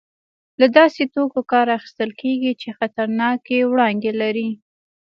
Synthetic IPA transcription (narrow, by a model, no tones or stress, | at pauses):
lad̪ɑset̪okokɑɾaxi̥st̪əlkeɡit͡ʃexat̪aɾnɑkewɽɑnd̪elaɾi